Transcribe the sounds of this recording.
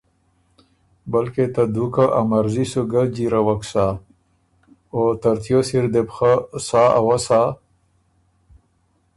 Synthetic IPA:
bɐlket̪ad̪ukaʔamaɾzisuɡad͡ʑiɾawaksa | ot̪aɾt̪josiɾd̪epxasaawasa

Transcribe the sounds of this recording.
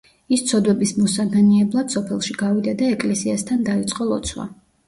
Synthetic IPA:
ist̪sʰɔd̪wɛbismɔsadɛniɛblˠad̪̥sɔpʰɛlˠʃiɡavid̪ad̪aɛkʼlɛsiast̪ʰand̪ait̪sʼqʼɔlˠɔ̰t̪sʰwa̰

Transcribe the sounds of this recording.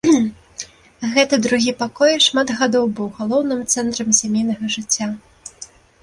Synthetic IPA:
ɣɛt̪ɐd̪ɾuɣʲipakɔjʂmad̪ɣad̪ɔwbɨwɣalˠɔwnɨmt̪sɛnt̪ɾɐmsʲamʲejnɐɣɐʐɨt͡sʲːa

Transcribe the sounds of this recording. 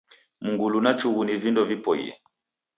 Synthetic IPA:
muŋɡulunat͡ʃuɣunivindɔvipɔḭɛ̰

